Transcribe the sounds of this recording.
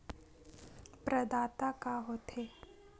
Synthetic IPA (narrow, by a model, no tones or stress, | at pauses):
pɾəd̪aːt̪akaɦot̪ʰe